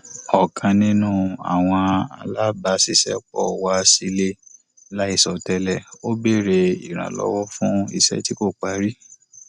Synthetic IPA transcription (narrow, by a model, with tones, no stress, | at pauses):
ɔ˨kʰã˧nĩ˦nũ˦˨a̰˨w̃ɔ̃˧a̰˧la˦ba˧si˨ʃɛ˦k͡pɔ˦˨wa˦si˧˦le˦ | la˦i˦˨sɔ˨tɛ˧˦lɛ˨o˦be˦˨ɾe˧ḭ˨ɾ̃ã̰˨lɔ̰˨˦wɔ˦fũ˦ḭ˧˨sɛ̰˦ti˦ko˦˨k͡pa˨˦ɾi˦